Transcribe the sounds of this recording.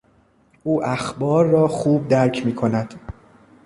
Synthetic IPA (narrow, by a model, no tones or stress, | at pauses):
ʔuːʔæxbɒːɾːɒːxuːb̚d̪æɾcʰmiːkʰo̞næd̪̥